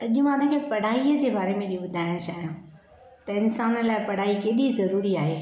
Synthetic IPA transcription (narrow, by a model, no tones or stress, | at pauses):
ɐʄʊmãnẽkʰepɐɽ̤aːiəd͡ʑeːbaːɾemẽɗiɓʊd̪ʱaːɪɽ̃t͡ɕaːɦijãː | t̪ɐɪnsaːnəlaːɪpɐɽ̤aːikeːɗizɐɾuːɾiaːɦeː